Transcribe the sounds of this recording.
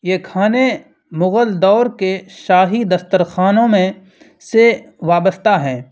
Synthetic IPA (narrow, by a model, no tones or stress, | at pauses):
jekʰaːne | mʊɣəld̪ɔːɾkeʃaːɦid̪ɐst̪əɾxaːnõmẽ | se | ʋaːbəst̪aɦɛː